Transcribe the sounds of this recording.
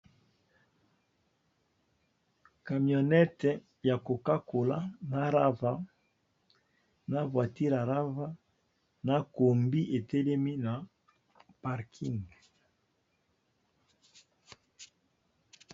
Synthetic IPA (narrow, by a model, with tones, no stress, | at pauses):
ka˨mjo˨nɛ˦tɛ˨ | ja˨ko˨ka˦ko˨la˦na˨ɾa˦va˦ | na˦vwa˨ti˦ɾa˨ʁa˦va˦ | na˦ko˨mbi˦ʔe˨tɛ˦lɛ˦mi˦na˨ | pa˨ʁkʰi˦ŋɡ